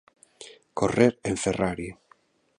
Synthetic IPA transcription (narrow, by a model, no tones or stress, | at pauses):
koreɾeɱferaɾi